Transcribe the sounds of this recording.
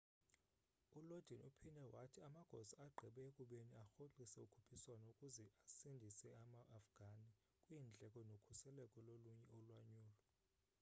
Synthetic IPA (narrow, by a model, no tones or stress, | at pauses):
ulod̥ʱinupʰinɛwatʰiamaɡ̥ʱɔ̰zaaɡ͡ǃʱɛɓɛekʼuɓeniaxoǃisɛukʰupʰiswanɔukʼuzɛasindʱisɛamaʔːfɡ̥ʱani | kʼwiːnd͡ɮʱɛkʼɔnokʰusɛlɛkʼɔloluɲɛɔlwaɲuːlɔ